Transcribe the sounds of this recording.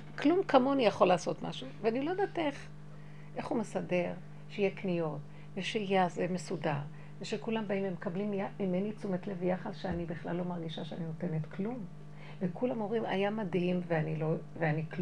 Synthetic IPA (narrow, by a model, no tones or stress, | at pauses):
klumkamo̞anijaχo̞laːso̞tma̰ʃuveanilo̞jed̪ateχ | ʔe̞χhumesade̞ʁ | ʃeijeknijo̞t | veʃejazemesudaʁ | veʃekulambaimemekablimjaimenit͡sumetlevjaχadʃeanibiχla̰lːo̞maʁɡiʃaʃeanino̞tenetklum | vekulamo̞ʁima̰jamadhimveaniloveanik